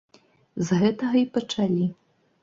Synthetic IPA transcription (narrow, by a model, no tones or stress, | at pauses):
zɣɛt̪ɐɣɐipɐt͡ʂalʲi